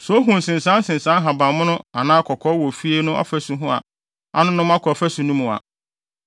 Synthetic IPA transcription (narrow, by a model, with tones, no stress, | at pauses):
sɔ˨˦o˦ɦũ˨n̩˨sɪ̃˨nsã˦n˦sɪ̃˨nsã˦n˦ɦa˨bã˨mʊ̃˦nʊ̃˦a˨nãː˦kʰɔ˨kʰɔ˦wɔ˨fi˦e˦nʊ̃˦ʔɔ̰˦fæ˦sʊ˦ɦʊ̃˦a̰˨ | a̰˦nʊ̃˦nʊ̃˦m˦a˦kʰɔ˨fæ˦sũ˨nũ˦mũ˨a̰˨